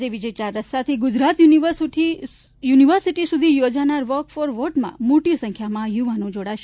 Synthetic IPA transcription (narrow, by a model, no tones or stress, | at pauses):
eʋid͡ʒɛjt͡ʃaɾːəst̪at̪ʰiɡʊd͡ʒɾat̪juniəsʈi | juniʋəɾsiʈisud̪ʱijod͡ʒanaɾʋɔɾkfoɾʋoʈmã̰moʈisə̃ŋkʰjamãjuʋanũd͡ʒoɽaʃ